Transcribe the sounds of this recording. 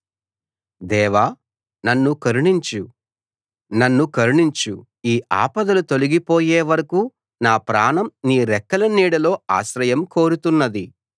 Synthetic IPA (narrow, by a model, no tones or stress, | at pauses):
d̪ɛːʋa | nɐnːukɐɾuɳiɲt͡ʃu | nɐnːukɐɾuɳiɲt͡ʃu | iːʔa̰ːpɐd̪ɐlut̪o̞luɡipoːjeːʋɐɾɐku | naːpɾaːnɐmniːɾɛkːɐlɐniːɽɐlo̞ːa̰ːʃɾɐjɐmko̞ːɾut̪unːɐd̪i